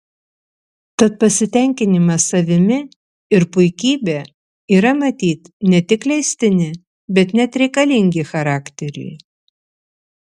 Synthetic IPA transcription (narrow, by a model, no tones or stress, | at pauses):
t̪ɐt̪̚pɐsʲɪt̪ʲɛŋʲkʲɪnʲɪmɐsɐʋʲɪmʲɪ | ɪɾpʊɪkʲiːbʲeː | iːɾɐmɐt̪ʲiːt̪nʲɛt̪ʲɪklʲɛɪsʲt̪ʲɪnʲɪ | bʲɛt̪nʲɛt̪ɾʲɛɪkɐlʲɪŋʲɡʲɪxɐɾɑːkt̪ʲɛɾʲɛ̰ɪ